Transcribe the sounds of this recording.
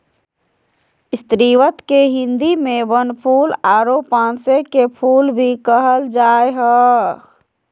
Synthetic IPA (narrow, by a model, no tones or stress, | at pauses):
ist̪ɾiʋət̪keɦĩnd̪imebənpʰulaɾopãnsekepʰulbʱikəɦəld͡ʒaeɦə